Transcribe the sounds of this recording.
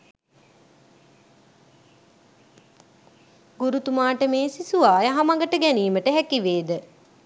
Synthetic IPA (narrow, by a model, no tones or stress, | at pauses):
ɡuɾut̪umaːʈəmeːsisuʋaːjaɦamaŋɡəʈəɡæniːməʈəɦækiʋeːd̪ə